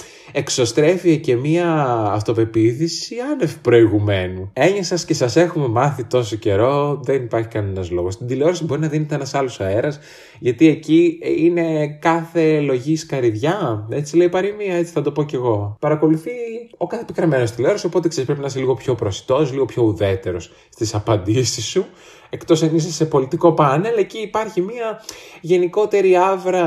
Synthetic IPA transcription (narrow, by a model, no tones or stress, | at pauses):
e̞kso̞st̪ɾe̞fiece̞miɐːft̪o̞pe̞piθisiɐne̞fi̥pɾo̞iɣume̞nue̞ɲɐsɐsce̞sɐse̞xume̞mɐθit̪o̞soce̞ɾo̞ðe̞nipɐɾçi̥kɐne̞nɐzlo̞ɣo̞st̪id̪ileo̞ɾɐsibo̞ɾinɐðinet̪eenɐsɐlo̞sɐeɾɐs | ʝɐt̪ie̞ciine̞kɐθe̞lo̞ʝiskɐɾiðʝɐe̞t͡sile̞ipɐɾimiɐe̞t͡si̥θɐd̪o̞po̞ce̞ɣo̞pɐɾɐko̞luθio̞kɐθepikɾemeno̞st̪ileo̞ɾɐso̞po̞t̪eksespɾepinɐiseliɣo̞pço̞pɾosi̥t̪o̞sliɣo̞pço̞uðe̞t̪e̞ɾo̞s | st̪isɐpɐnd̪isisːu | e̞kt̪o̞sɐnisɐse̞po̞lit̪iko̞pɐne̞leciːpɐɾçimiɐʝe̞niko̞t̪e̞ɾiɐvɾɐ